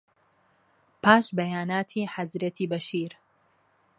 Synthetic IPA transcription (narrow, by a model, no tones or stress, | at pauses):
pʰaːʃbɐjaːnaːt̪ʰiːħazɾet̪ʰiːbɐʃiːɾ